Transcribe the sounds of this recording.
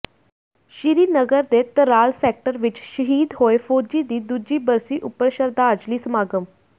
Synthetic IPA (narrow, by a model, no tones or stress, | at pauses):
ʃɪɾiːnəɡəɾd̪eːt̪əɾaːlpʰɛːk̚ʈəɾʋɪt͡ʃʃəɦiːd̪ɦoːeːpʰoːd͡ʒiːd̪iːd̪uːd͡ʒiːbəɾsiːʔʊpːəɾʃəɾd̪aːɾd͡ʒliːsəmaːɡəm